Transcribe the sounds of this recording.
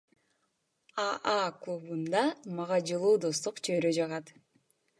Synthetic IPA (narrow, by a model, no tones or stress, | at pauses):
ɑaklˠubund̪ɑmɑʁɑd͡ʒɯlˠuːd̪o̞st̪uqt͡ʃʰøɾød͡ʒɑʁɑt̪